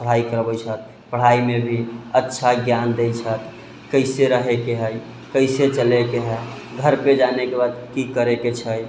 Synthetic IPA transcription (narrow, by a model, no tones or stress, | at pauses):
pəɽ̤aikəɾbət͡ʃʰət̪̚ | pəɽ̤aimebʱiətːʃʰaɡjand̪ejt͡ʃʰət̪ʰ | kəɪseɾəɦekeɦəj | kəɪset͡ʃəlekeɦə | ɡʱəɾped͡ʒanekebad̪kikəɾeket͡ʃʰəj